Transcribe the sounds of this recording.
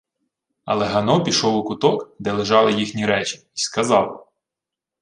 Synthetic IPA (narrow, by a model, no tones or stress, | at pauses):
ɐ̰lˠɛɦɐnɔpʲiʃɔwʊkʊt̪ɔkd̪ɛlˠeʒɑlˠɪjixnʲiɾɛt͡ʃi̥iskɐzɑw